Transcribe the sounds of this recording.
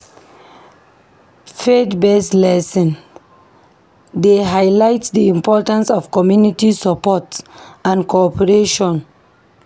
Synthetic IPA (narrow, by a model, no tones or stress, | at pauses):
fedbɛslɛsĩn | deɦaɪlaɪtdiĩmpɔtãnsɔvkɔmjunitisəpɔtãnkʰoɔpʰəɹeʃɔ̃n